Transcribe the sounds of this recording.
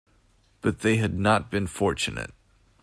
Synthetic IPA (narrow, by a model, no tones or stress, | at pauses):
b̥ʌt̪̚ðeɪɨdⁿnət̚b̥ɨ̃nfɔɹt͡ʃɨnɨ̰t̚